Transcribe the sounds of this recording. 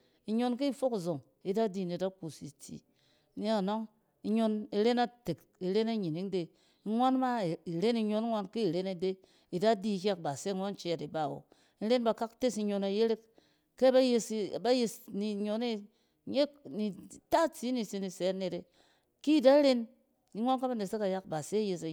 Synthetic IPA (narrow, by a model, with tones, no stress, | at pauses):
i˨ɲo˦nki˦i˦˨fo˦ki˨zo˨ŋ | i˦da˦di˦˨ne˨da˦ku˨si˨t͡sḭ˨ | ni˦a˨no˦ŋ | i˦ɲo˧ni˧ɾe˦na˦te˨k | i˨ɾe˦na˦ɲi˨ni˨˦ŋde˨ | i˦ŋʷa˦nma˦˨i˨ɾe˦ni˧ɲo˦n˦ŋʷa˦nki˦i˨ɾe˦ne˨de˦ | i˨da˦di˦˨kʲa˦k̚ba˨se˦ŋʷa˦n˦t͡ʃe˦a˨ti˨ba˦˨wo̰˨ | i˦ɾe˦nba˨ka˦kte˦si˦ɲo˧na˨je˦ɾe˦k | ke˦ba˦je˧sba˦je˧sni˨ɲo˨ne˦˨˦ | ɲe˦ni˨ta˦t͡si˨˦ni˨si˧ni˨se˨˦a˦ne˨ɾe˨ | ki˦˨da˦ɾe˦n | i˦ŋʷo˦nka˦ba˦ne˨se˦ka˨ja˦k̚ba˨se˦je˨sa˨